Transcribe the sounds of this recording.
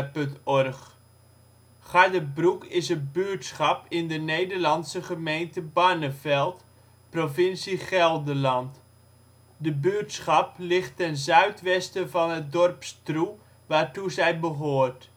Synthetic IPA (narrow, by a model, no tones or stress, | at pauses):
pɵntɔrχ | χadəbrukɪsətbytsχɑpɪndənejdəɹlɑnsəχəmejntəbanəfɛlˠt | profɪnsiχɛlˠdəlɑnt | dəbytsχɑplɪχtːɛnzœɥtʋɛstəvɑnɦət̚dɔrpstru | ʋaːɹtuzɛjbəɦoːrt